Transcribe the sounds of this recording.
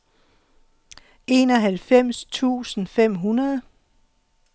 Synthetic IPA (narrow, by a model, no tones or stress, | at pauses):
e̝ːnɒ̽ɦælfem̰st͡sʰṵːsn̩fem̰ɦunɐðˠ